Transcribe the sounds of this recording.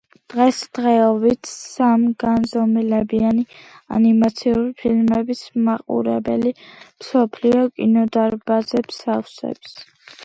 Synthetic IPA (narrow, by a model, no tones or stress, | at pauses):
d̪̥ʁɛsd̪̥ʁɛɔvit̪ʰsamɡanzɔmilɛbiania̰nimat̪sʰiuɾipʰilmɛbismaqʼṵɾɛbɛlimsɔpʰliɔkʼinɔd̪aɾbazɛbsafsɛ̰ps